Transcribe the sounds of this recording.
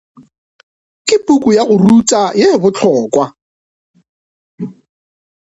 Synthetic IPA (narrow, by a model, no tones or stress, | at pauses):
kʼɪpʼukʼujaɣʊrutʼajebʊt͡ɬʰɔːkwa